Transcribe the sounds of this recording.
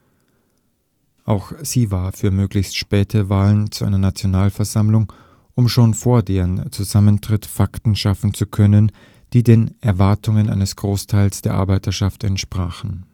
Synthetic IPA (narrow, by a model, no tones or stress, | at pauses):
ʔaʊxz̥iːvaːɐfyːɐmøːɡlɪçstʃpɛːtʰəvaːlənt͡suʔaɪnɐnat͡sjonaːlfɛɐzamlʊŋ | ʔʊmʃoːnfoːɐdeːʁənt͡suzaməntʁ̥ɪtfaktn̩ʃafn̩t͡sukʰœnən | d̥iːdeːnʔɛɐvaɐtʰʊŋənʔa̰ɪnəsɡ̥ʁoːstʰaɪlsd̥eːɐʔa̰ɐbaɪtʰɐʃaftɛ̰ntʃpʁ̥aːχn̩